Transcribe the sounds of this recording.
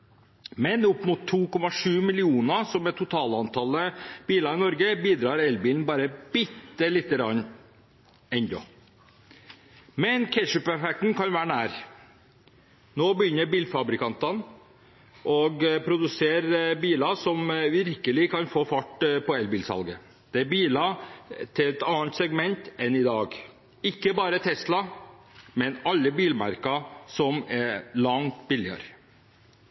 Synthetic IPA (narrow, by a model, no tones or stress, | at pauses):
mɛnʊpːmʊt̪ʰːuːkɔmɑʂʉːmɪlɪuːnɑsɔmɛt̪ʰːʊt̪ʰɑːlɑnt̪ʰɑləb̥iːlɑɾɪnɔɾɡəbiːd̪ɾɑːɾɛlbiːlnbɑːɾəb̥ʏt̪ːəlɪt̪ːəɾɑn | ɛnd̪ɔ̰ | mɛnkʰɛʂʉpɛfɛk̚t̪n̩kɑnʋæːɾɳæːɾ | noːbəjʏnːəɾbiːlfɑbɾɪkɑnt̪ɑn | ʔɔɡpʰɾʊd̪ʉseːɾbiːlɑsɔmʋɪɾkəlɪkʰɑnfoːfɑʈːpʰɔɛlbiːlsɑ̰lɡə | d̪̥ɛæɾbiːlɑt̪ʰɪlɛt̪ɑːnt̪sɛɡmɛnt̪ɛnɪd̪ɑːɡ | ɪkːəbɑːɾət̪ʰɛslɑ | mɛnɑlːəbiːlmɑ̰ɾkɑsɔmɛlɑŋt̪bɪlːɪɑ̰ɾ